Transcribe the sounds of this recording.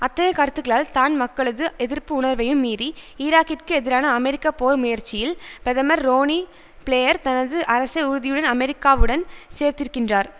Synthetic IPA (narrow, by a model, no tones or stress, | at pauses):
ɐt̪ːɐjɐkɐɾt̪ːɯɣɐɭaːlt̪aːnmɐkːɐɭɐðɯɛðɪɾpɯʊɳɐɾʋɐjɯmːiːriiːɾaːkːɪrkɯɛðɪɾaːnɐːmɛɾɪkːaːpoːɾmʊjɐɾt͡ʃːɪjɪlpɪɾɐðɐmɐɾːoːni | pɭejɐɾt̪ɐnɐðɯʔɐɾɐsɐɪʊɾɯðɪjɯɽɐnɐmɛɾɪkːaːʋɯɽɐnseːɾt̪ɪɾɯkːɪndraːɾ